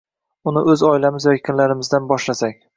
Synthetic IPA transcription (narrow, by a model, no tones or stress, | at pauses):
ʊnɪʔɵzɒɪlamɪzjɒkʲʰɪnlaɾɪmɪzd̪anbɒʃlasakʲ